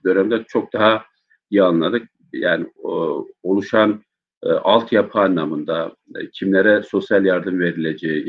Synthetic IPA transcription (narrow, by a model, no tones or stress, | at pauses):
d̪ø̞nɛmd̪ɛt͡ʃʰo̞k̚d̪aɦa | ijanlˠad̪ɯk̚ | jaːnɪ | olˠuʃan | ʔalˠt̪ʰjapʰɯːnlːamɯnd̪a | cʰimlʲeɾɛso̞sjalʲjaɾd̪ɯmve̞ɾilʲed͡ʒei